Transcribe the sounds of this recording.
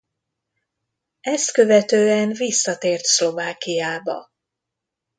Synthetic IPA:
ɛst̪kø̞vɛt̪øːɛnvisːɒt̪eːrt̪slo̞vaːkijaːbɒ̰

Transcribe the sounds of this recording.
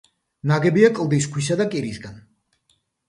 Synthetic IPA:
naɡɛbiakʼlˠd̪is̬kʰwisad̪akʼiɾisɡan

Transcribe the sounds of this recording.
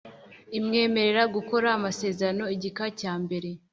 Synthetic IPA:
imŋe̞ːme̞ɾe̞ɾaɡuko̞ɾaːmase̞ːzeɾano̞iɟikacaːmbe̞ɾe̞

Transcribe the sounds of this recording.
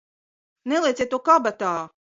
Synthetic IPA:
nɛlˠiɛt̪ʲiɛt̪ːuːkabat̪aː

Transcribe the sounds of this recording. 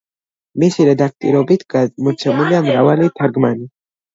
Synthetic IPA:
mesiɾad̪ak̚t̪ḭɾobit̪kad̪̚mut͡sʰamulamɾawalit̪ʰaɾɡmani

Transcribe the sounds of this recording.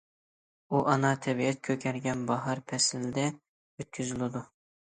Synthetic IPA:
uʔɑnɑt̪ʰɛbiɛt̪̚kʲʰøkʲʰɛɾɡʲɛnbɑɦɑɾpʰɛsɪlɪd̪ɛ | øt̪̚kʲʰyzylɪd̪u

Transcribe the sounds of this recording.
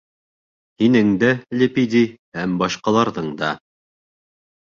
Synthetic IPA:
hinɘŋd̪ælʲepid̪ʲihæmbɑʃqɑlˠɑɾðɤɴd̪ɑ

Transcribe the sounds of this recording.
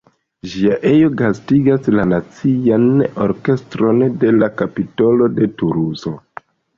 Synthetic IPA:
ʒiaʔe̞jo̞ɡastiɡaslanat͡siano̞ɾke̞stɾo̞nde̞lakapito̞lo̞de̞tuɾuzo̞

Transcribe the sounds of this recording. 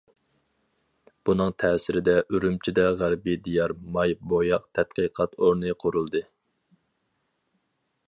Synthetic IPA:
b̥unɨŋt̪ʰɛːsɪɾɪd̪ɛʔyɾymt͡ʃʰid̪ɛʁæɾbid̪ijɑɾmɑjbojɑqt̪ʰɛt̪̚qəqʰɑt̪oɾnɨqʰoɾulˠd̪ɨ

